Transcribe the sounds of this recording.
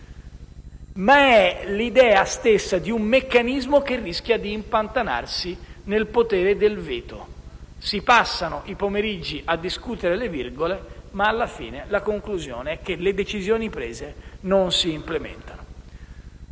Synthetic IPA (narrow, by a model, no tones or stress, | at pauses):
maɛlid̪ɛːast̪esːad̪iumːekːanizmok̟erːisk̟jad̪iːmpant̪ana̰rsi | nelpot̪ɛːɾed̪elveːt̪o̰ | sipasːanoʔipomeɾid͡ʒːiʔad̪ːiskut̪eɾelevirɡolemaːlːafḭːnelakoŋkluzjo̰ːneɛk̟ːeled̪et͡ʃizjoːnipɾeːzenonsiːmplemɛ̰nt̪ano